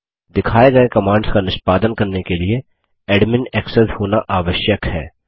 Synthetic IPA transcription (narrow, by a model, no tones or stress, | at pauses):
d̪ɪkʰaːeɡɐekɐmãːɳɖskanɪʃpaːd̪ənkɐɾnekelie | ɛːɖmɪnɛːksəshoːnaʔaːʋəʃjəkɦɛ̰ː